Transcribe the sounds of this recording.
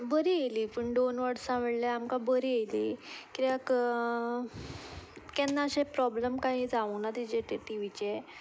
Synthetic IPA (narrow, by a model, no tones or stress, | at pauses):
bəɾielipəɳɖ̪onʋəɽsãʋəɭləamkabəɾiejlikiak | kɛnːaɕepɾɔbləmkaɦid͡zaʋənat̪id͡ʑeʈeʈiʋit͡ɕe